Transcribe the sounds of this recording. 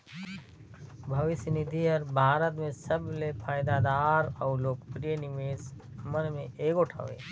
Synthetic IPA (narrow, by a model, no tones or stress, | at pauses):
bʱɐʋɪsnɪd̪ʱiɔɾbʱaːɾət̪mẽsəblepʰaːjd̪aːd̪aːɾɔːloːkpɾijənɪmeːsmənmẽʔeːkʊʈʰa̰ʋḛː